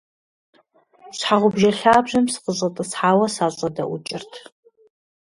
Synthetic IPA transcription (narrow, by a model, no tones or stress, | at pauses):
ɕħaʁʷʊbʒɐɬaːbʒɐmsɨ̥qəɕʼɐtʼɨsħaːwɐsaːɕʼɐdɐʔʊt͡ʃʼɪrtʰ